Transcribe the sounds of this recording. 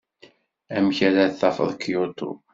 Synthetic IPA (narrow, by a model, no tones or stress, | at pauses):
æmçæɾæθːɑfə̰ðˤkjut̪ṵ